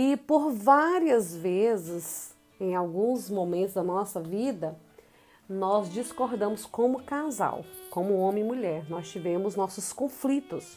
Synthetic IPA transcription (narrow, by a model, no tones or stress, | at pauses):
ɪpoɾvaɾiɐzvezɪz | ẽj̃awɡũzmomẽnt̪ʊzd̪ɐnɔsɐvid̪ɐ | nɔzd͡ʒiskoɾd̪ɐ̃mʊskõmʊkaza̰wkõmʊõmẽɪmuʎɛɾnɔst͡ʃivẽmʊznɔsʊskõflit̪ʊs